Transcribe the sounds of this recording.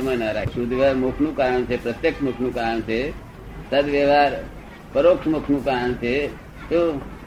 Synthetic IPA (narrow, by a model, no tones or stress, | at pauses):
mə̃nəɾasud̪ʱʋəɾmokʰnũkaːɾəɳt͡ʃʰepɾət̪jekʃmukʰnũkaːɾəɳt͡ʃʰe | səd̪ʋəʋaːɾ | pəɾoːkʂmukʰnũkaːɾəɳt͡ʃʰe | t̪o